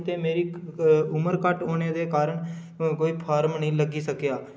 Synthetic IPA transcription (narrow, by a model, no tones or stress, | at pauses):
t̪eːmeːɾiːʊməɾkəʈoːñeːd̪eːkaːɾəɳ | koːiːpʰaːɾmnəĩːləɡiːsəkjaː